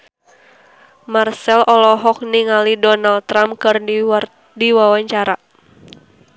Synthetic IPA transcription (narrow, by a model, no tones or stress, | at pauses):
marsɛlʔɔlɔɦɔk̚niŋalidɔnald̚t̪ɾamkɨr | diwawaɲt͡ʃaɾa